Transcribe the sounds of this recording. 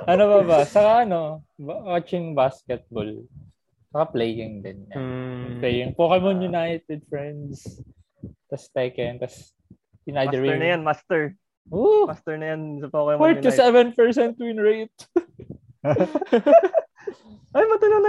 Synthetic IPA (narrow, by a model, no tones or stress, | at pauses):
ʔɐnobɐbɐt͡ʃɐkaʔɐno̞bwat͡ʃɪŋbaskɛt̪̚bol | t͡ʃɐkaplejɪŋd̪ɪnɲɐnplɛjɪŋpokɛmonjʊnajt̪ɛd̪̚fɹɛnd̪s | t̪ɐst̪ɛkɛnt̪ɐs | ɪnʔaj̪ɐiɹnɐjanmast̪ɛɹ | omast̪ɛɹnɐjansɐpokɛmpaɹkɐsɛvɛ̃npɛɹsɛnt̪ːwɪnɹejt̪̚ | ʔɐjmɐt̪ɐlonɐ